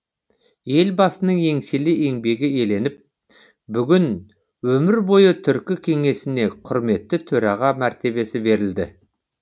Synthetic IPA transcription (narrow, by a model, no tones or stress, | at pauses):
je̞lbɑsənəɴe̞ŋselɪe̞ŋbe̞ɡʲɪe̞le̞nɪp̚ | bʏɡʲɪn | wɵmɪɾbo̞jət̪ʰʏɾkʲɪkʲʰe̞ŋe̞sɪne̞qʰʊɾme̞t̪ːɪt̪ʰɵɾɑʁɑmæɾt̪e̞βe̞sɪbe̞ɾɪld̪ɪ